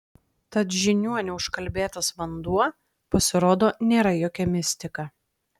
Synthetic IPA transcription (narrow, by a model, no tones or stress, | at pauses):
t̪ɐt̪ʒʲɪnʲuɔnʲɛʊʃkɐlʲbʲeːt̪ɐsʋɐnd̪uɔ | pɐsʲɪɾoːd̪oːnʲeːɾɐjoːkʲɛmʲɪsʲt̪ʲɪkɐ